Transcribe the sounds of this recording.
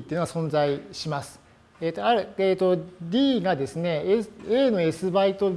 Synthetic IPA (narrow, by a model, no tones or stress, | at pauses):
t̪eɯnoɡasõ̞nd͡zaiɕimasɨ̥ | et̪oaɾɯeːt̪o̞d̪ʲiːɡad̪e̞sɨne̞seːno̞e̞sɨbait̪o̞